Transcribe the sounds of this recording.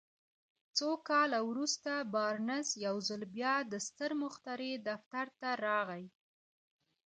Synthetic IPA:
t͡sokɑlawɾust̪abɑɾnɪsjawzəlbjɑd̪əst̪əɾmʊxt̪aɾed̪aft̪aɾt̪aɾɑɣaj

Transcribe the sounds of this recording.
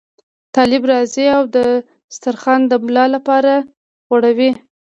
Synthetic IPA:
t̪ɑlɪbɾɑziawd̪ə | st̪aɾxɑnd̪əmlɑlapɑɾa | ɣoɽawi

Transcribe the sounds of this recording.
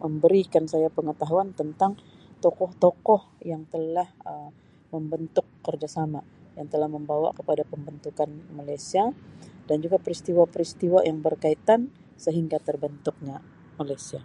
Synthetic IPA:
məmbəɾikansajapəŋət̪aɦuant̪ənt̪aŋ | t̪ɔkɔht̪ɔkɔhjaŋt̪əlahəm | məmbənt̪ʊkːərd͡ʒasama | jaŋt̪əlahməmbawa̰kəpadapəmbənt̪ukanmalajsiadand͡ʒuɡapɾist̪iwapəɾist̪iwajaŋbərkait̪an | səɦiŋɡat̪ərbənt̪ʊk̚ɲa | malajsia

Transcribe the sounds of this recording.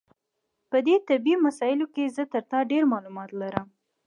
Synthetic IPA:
pəd̪et̪abimasɑjɪlokezət̪əɾt̪ɑɖeɾmɑlumɑt̪laɾəm

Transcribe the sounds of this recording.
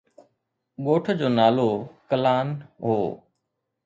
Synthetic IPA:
ɠoːʈʰd͡ʑoːnaːloːkəlaːnɦoː

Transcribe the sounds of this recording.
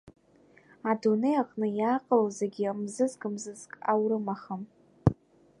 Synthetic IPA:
adunejaqʼnɨjaqʼəlozeɡʲimzɨzkʼɨmzɨzkʼawɾɨmaχəm

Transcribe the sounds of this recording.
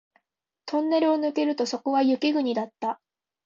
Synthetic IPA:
t̪ʰõ̞nːe̞ɾɯ̟o̞nɯ̟ke̞ɾɯ̟t̪o̞so̞ko̞βajɯ̟kʲiɡɯ̟ɲ̟id̪at̪ːa

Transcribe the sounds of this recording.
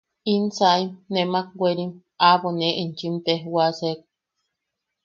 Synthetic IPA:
insaimnemak̚wʷeɾim | aβoneʔint͡ʃimt̪ehwasek̚

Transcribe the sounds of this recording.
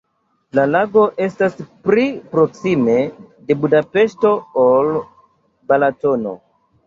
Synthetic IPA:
lalaɡo̞ʔe̞staspɾipɾo̞ksime̞de̞budape̞ʃto̞ol | balato̞no̞̰

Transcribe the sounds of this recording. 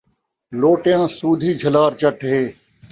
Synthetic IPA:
loːʈjãːsuːd̪ʱiːd͡ʒʱəlaːɾt͡ʃəʈʰɦeː

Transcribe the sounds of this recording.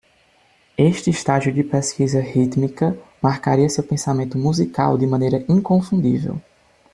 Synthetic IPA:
eʃt͡ʃ̪ɪːst̪aʒiʊdɪpeskizɐhit̪mikɐmaɾkaɾiɐsewpẽsamẽnt̪ʊmuzika̰wd̪ɪmɐ̃nejɾɐʔĩkõfũnd̪ḭvḛw

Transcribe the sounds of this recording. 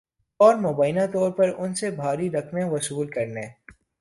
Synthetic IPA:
ɔːɾmoːbaːɪnãt̪ɔːɾpɐɾʊnsebʱaːɾiɾɐkʰneʋɐsuːlkɐɾneː

